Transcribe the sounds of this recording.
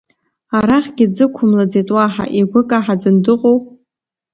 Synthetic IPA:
aɾaχʲɡʲɪd͡zɨkʷʰʊmlad͡zejtʼwaħa̰ʔiɡʷʊkʼaħad͡zɨndɨqʼowpʼ

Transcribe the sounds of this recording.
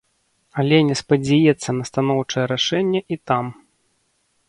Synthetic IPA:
ɐlʲɛnʲɛspɐd͡zʲajɛt̪sːɐnɐst̪anɔwt͡ʂɐjɛɾaʂɛnʲːɛʔit̪am

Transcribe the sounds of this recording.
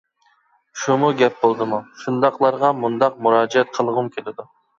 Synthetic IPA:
ʃumuɡʲɛp̚bolˠd̪ɨmuʃund̪ɑqlˠɑɾʁɑmund̪ɑq̚muɾɑːd͡ʒiɛt̪̚qʰəlˠʁʊmkʲʰelɪd̪u

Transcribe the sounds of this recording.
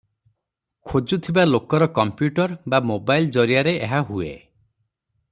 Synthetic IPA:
kʰod͡ʒut̪ʰibalokɔɾɔkɔmpjuʈɔɾbamobajld͡ʒɔɾijaɾeeɦaɦuḛ

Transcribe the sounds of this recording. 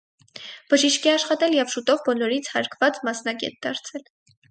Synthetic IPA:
b̥əʒiʃkɛɑʃχɑt̪ɛljɛvʃut̪ɔvbɔlɔɾit͡sʰhɑɾkʰvɑt͡smɑsnɑɡɛ̰t̪̚d̪ɑɾt͡sʰɛl

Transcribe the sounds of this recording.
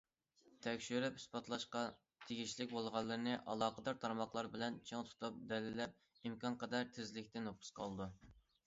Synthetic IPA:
t̪ʰɛkʲʃyɾɛphy̥spɑt̪lˠɑʃqɑ | t̪ʰeɡʲiʃlɪkʲbolˠʁɑlˠːɨɾɨnɨʔɑ̰lˠɑːqəd̪ɑɾt̪ʰɑɾmɑχlˠɑɾbɪlɛnt͡ʃʰeŋt̪ʰu̥t̪ʰup̚d̪ɛlɪlɛp̚ | imkʰɑnqʰəd̪ɑɾt̪ʰɪzlɪkʲt̪ɪnopʰʊ̥sqʰɑ̰lˠɨd̪u

